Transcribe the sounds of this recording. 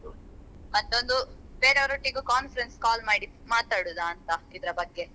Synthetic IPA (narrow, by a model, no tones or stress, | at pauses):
mɐt̪ːo̞nd̪ubeːɾeʋɐɾoʈːiɡukaːnfɐɾenskaːlmaːɽi | maːt̪aːɽud̪ɐːnt̪ɐid̪ɐɾɐbɐɡːe̞